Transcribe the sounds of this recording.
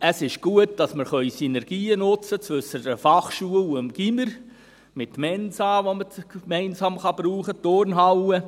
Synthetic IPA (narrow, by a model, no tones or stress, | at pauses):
əsɪʃɡ̥uət̚d̥ɑsməɾχœʏsinɛɾɡ̥iːənʊt͡sət͡svɵsətəfɑχʃuələmɡ̥iməɾ | mɪt̚mɛnsɑːʋomət͡skmɛɪnsɑːmχɑb̥ɾuːχətoɾnɦɑwə